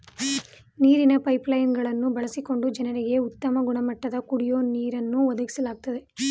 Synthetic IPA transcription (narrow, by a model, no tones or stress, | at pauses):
niːɾinɐpɐjplɐjnɡɐɭɐnːubɐɭɐsiko̞ɳɖud͡ʒɐnɐɾeɡe̞ut̪ːɐmɐɡuɳɐmɐʈːɐd̪ɐkuɽijo̞ːniːɾɐnːuʋɔd̪ɐɡisɐlaːɡ̚t̪ɐd̪e̞